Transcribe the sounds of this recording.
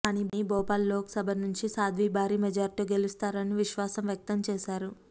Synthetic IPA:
kaːniːiːbɔːpaːlːoːksɐbʱɐnuɲt͡ʃisaːd̪ʱʋiːbʱaːɾiːmɛd͡ʒaːɾiʈiɡe̞lust̪aːɾɐniʋiʃʋaːsɐmʋjɐk̚t̪ɐmt͡ʃɛːʃaːɾu

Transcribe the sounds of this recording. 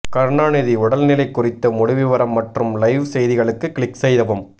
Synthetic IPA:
kɐɾɳaːnɪðiʊɽɐlnɪlɐɪkːʊrɪt̪ːɐmʊɽɪʋɪʋɐɾɐmːɐʈrɯmlɐɪʋsɛjðɪɣɐɭɯkːɯkɪɭɪksɛjðɐʋɯm

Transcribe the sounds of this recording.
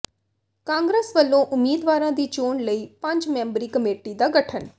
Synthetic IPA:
kãːŋɡɾeːsʋəlːõːʔʊmːiːd̪ʋaːɾãːd̪iːt͡ʃoːɳləiːpə̃ɲd͡ʒmɛ̃ːmbɾiːkəmeːʈiːd̪aːɡəʈʰən

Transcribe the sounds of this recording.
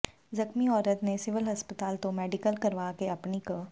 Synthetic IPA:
zɐxmiɔːɾət̪nesɪʋəlɦɐspət̪aːlt̪omɛːɖɪkəlkɐɾʋaːkeɐpniko

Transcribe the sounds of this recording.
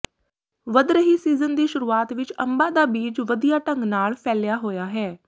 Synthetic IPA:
ʋəd̪ɾəɦiːsiːzənd̪iːʃʊɾuːaːt̪ʋɪt͡ʃə̰̃mbaːd̪aːbiːd͡ʒʋəd̪ijaːʈəŋɡnaːlpʰɛːlɪjaːɦoːjaːɦɛː

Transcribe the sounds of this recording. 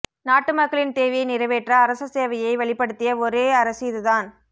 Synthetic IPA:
naːʈːɯmɐkːɐɭɪnt̪eːʋɪjɐɪnɪɾɐʋeːʈrɐːɾɐsɐseːʋɐjɐɪʋɐɭɪpːɐɽɯt̪ːɪjɐɔɾeːɐɾɐsɪɪðɯðaːn

